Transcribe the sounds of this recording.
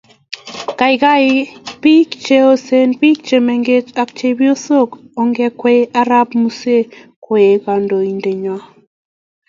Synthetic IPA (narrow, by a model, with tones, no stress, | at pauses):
ka˨ɪ˨ka˦ɪ˦pi˦kt͡ʃe˦o˦se˦npi˦k̚t͡ʃe˨me˨ŋɡe˦t͡ʃa˦kt͡ʃe˦bi˦o˦so˦k | ɔ˨ŋɡɛ˦kwe˦ʔa˦ɾa˦pmu˦se˦kwe˨e˨ka˨ndo˨i˨nde˨ɲwa˦